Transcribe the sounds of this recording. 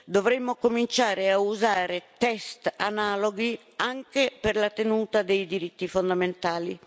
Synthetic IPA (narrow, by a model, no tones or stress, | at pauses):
d̪ovɾemːokomint͡ʃaːɾeauzaːɾet̪ɛst̪anaːloɡi | aŋkeperlat̪enuːt̪ad̪ejd̪iɾit̪ːifond̪ament̪aːli